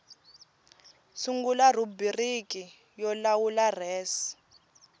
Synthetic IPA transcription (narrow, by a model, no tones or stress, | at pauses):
suŋɡular̤ubiriki | jɔlawularɛːsi̥